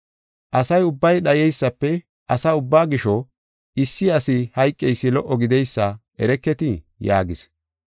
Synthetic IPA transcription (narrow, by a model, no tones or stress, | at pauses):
ʔɐsɐjʊbːɐjɗɐjɛjsːɐpːɛ | ʔɐsaʊbːaːɡɪʃɔ | ɪsːɪɐsɪhɐjkʼːɛjsːɪlɔʔɔɡɪd̪ɛjsːɐ | ɛɾɛkːɛt̪ɪ | ja̰ːɡɪs